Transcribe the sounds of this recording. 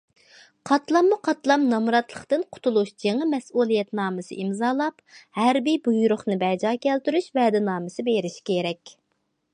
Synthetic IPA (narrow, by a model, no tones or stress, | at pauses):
qʰɑt̪lˠɑmːuqʰɑt̪lˠɑmnɑmɾɑt̪lˠəχt̪ɨnqʰʊ̥t̪ʰulˠuʃd͡ʒeŋɪmɛsulˠijɛt̪nɑːmɨsɨ̰ʔimzɑːlˠɑphæɾbibujuɾʊχnɨbɛd͡ʒɑːkʲʰɛlt̪yɾyʃvɛd̪ɪnɑːmɨsɨbeɾɪʃkʲʰeɾɛkʲ